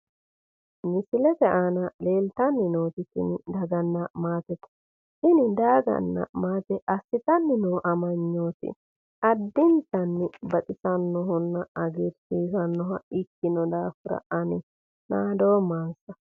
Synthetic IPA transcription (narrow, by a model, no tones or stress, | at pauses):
mɪsɪlɛt̪ɛʔaːnɐle̞ːlt̪ɐnːɪnoːt̪ɪtːɪ̰nd̪ɐɡɐnːɐmaːt̪ɛt̪ɐ̥ | ʔɪnɪd̪aːɡɐ̰nːɐ̰maːt̪ɛʔɐsːɪt̪ɐnːɪnoːʔɐmɐɲːo̞ːt̪ɪ̰ | ɐd̪ːɪnt̪ɐnːɪbɐt̪ʼɪsɐnːɔɦʊnːɐɐɡeɾsiːsɐnːɔɦɐʔɪkːɪnɔd̪aːfʊɾɐ̰ʔɐnɪ | naːd̪o̞ːmaːnsɐ